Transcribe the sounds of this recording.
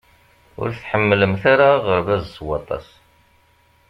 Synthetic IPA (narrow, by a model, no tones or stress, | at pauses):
ʊ̰ɾθħəmːləmθaɾaʁəɾvæzswɑt̪ˤɑ̰s